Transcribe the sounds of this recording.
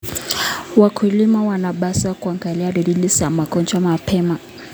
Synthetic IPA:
wakʰulimawanaɓasakuaŋɡaliaɾiɗilisamakɔnt͡ʃamapʰɛma

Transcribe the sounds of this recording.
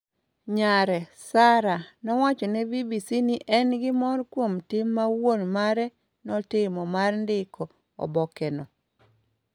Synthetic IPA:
ɲaɾɛsaɾanɔwat͡ʃɔnɛvibisiniʔɛnɡɪmɔrkwomtɪmːawonmaɾɛ | nɔtɪmɔmarndɪkʰɔ | ɔ̰bɔkɛnɔ

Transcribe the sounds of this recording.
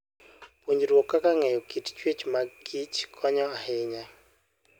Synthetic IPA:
pwoɲd͡ʒɾwɔkːakaŋɛjɔkitt͡ʃwet͡ʃmaɡit͡ʃkʰɔɲɔahɪɲa

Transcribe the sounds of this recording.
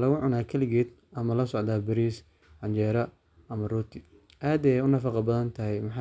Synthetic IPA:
lɐɣʊʕʊnaːkʰɐlɪɣɛːd̪ | ʔɐmɐlɐsɔʕd̪aːbɪɾiːs | ɐnt͡ʃɛːɾɐ | ɐmɐruːt̪ʰɪ | ʔaːd̪ɛjʊnɐfɑqɑbɐðɐnt̪ʰɐɦɛjmɑħɑ

